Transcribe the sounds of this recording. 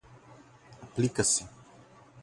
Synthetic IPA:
aplikasi

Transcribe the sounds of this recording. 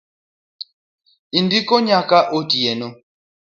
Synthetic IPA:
indikɔɲakaʔotiɛno

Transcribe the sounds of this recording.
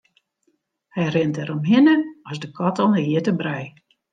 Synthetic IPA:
hɛjrɪntɛɾɔmɦɪnəɔsdəkʰɔtɔlˠɦɪətəbrɛj

